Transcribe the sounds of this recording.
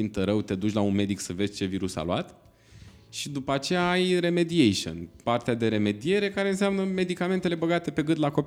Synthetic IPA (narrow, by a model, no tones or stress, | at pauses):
imt̪əɾəwt̪e̞d̪ut͡ʃʲlaunme̞d̪iksəve̞zʲt͡ʃe̞viɾusa̰luat̪ | ʃid̪upəat͡ʃe̞jaajɾe̞me̞d̪iejʃo̰npart̪ead̪e̞ɾe̞me̞d̪ie̞ɾe̞kaɾe̞ɨnseamnəme̞d̪ikame̞nt̪e̞le̞bəɡat̪e̞pe̞ɡɨnd̪lako̞